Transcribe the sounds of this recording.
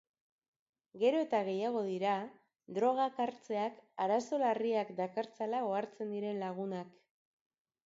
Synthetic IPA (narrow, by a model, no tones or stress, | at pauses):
ɡe̞ɾo̞e̞t̪aɣe̞jaɣ̞o̞ðiɾa | d̪ɾo̞ɣ̞akaɾt͡se̞akaɾaso̞lariakd̪akaɾt͡salaoaɾt͡se̞nd̪iɾe̞nlaɣ̞unak